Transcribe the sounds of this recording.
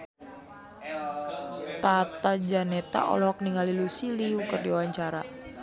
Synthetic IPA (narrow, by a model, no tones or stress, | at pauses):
t̪at̪ad͡ʒanɛt̪a̰ʔɔ̰lɔɦɔk̚niŋalilusiliukərdiwaɲt͡ʃaɾa̰